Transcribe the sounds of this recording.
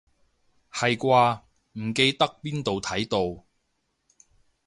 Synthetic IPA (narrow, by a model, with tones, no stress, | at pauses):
hɐ˨jkʷaː˧ | m̩˨˩ke˧jt̪ɐ˥k̚piː˥nt̪o˨wt̪ʰɐ˨˥jt̪o˨w